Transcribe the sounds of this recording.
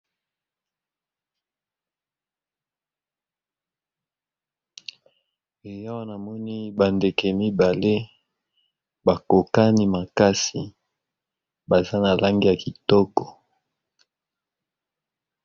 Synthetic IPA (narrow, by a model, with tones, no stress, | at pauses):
e˨ja˦wa˦na˨mɔ˦ni˦ba˨nde˨kɛ˨mi˦ba˨le˦ | ba˨ko˨ka˦ni˦ma˨ka˦si˨ | ba˨za˦na˨la˦ŋɡi˦ja˨ki˨tɔ˦kɔ̥˨